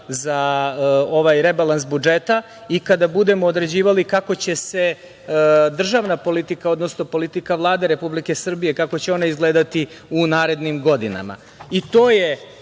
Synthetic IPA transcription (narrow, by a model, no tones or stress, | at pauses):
za | o̞ʋajɾebalans̬bud͡ʒet̪a | ikad̪abud̪e̞mo̞ːd̪ɾe̞d͡ʑiːʋalikako̞t͡ɕese̞ | d̪r̩ʒaʋnapo̞lit̪ikao̞d̪nosnopo̞lit̪ikaʋlˠaːd̪eɾe̞publike̞sr̩bije̞kakot͡ɕeo̞naizɡle̞ːd̪at̪i | unaːɾe̞d̪nimɡo̞d̪ina̰ma̰ | it̪o̞ːje